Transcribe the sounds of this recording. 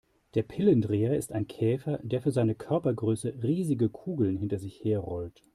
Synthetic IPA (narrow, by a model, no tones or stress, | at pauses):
d̥eːɐpʰɪləndʁeːɐɪstaɪnkʰɛːfɐd̥eːɐfyːɐzaɪnəkʰœɐpɐɡʁøːsəʁiːzɪɡəkʰuːɡl̩nɦɪntɐzɪçheːɐʁɔlt